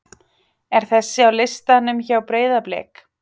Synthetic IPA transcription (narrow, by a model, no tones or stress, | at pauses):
ɛɾ̥θɛsːɪawlɪst̪anːʏmçawpɾeːjðaplɛ̰ːk